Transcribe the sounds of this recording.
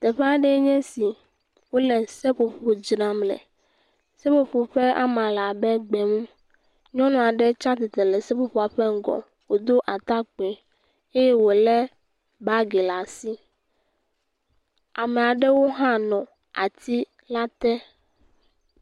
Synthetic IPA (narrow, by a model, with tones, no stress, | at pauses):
t̪ɛ˨ɸɛ˦a˨ɖɛ˦ɲɛ̃˦si˨ | wo˦lɛ˨se˦ɸo˨ɸo˨d͡ʒɾã˨mlɛ̰˨ | se˦ɸo˨ɸo˨ɸɛ˦a̰˦mã˨la˨bɛ˦ɡ͡bɛ˨ŋũ˦ | ɲɔ̃˦nɔ̃˦˨a˨ɖɛ˦t͡ʃa˦t̪e˨t̪ɛ˨lɛ˨sɛ˦ɸo˦ɸo˨a˨ɸɛ˦ŋ̩˦ɡɔ̰˨ | wo˨d̪o˦ʔa˨t̪a˦k͡pe˨ | e˦jɛ˦wo˨lɛ˦ | ba˦ɡe˨la˨si˦ | a˨mɛ̃˨a˨ɖɛ˦wo˦ɦã˦nɔ̃˨ | a˨t̪i˦ | la˦t̪ɛ˦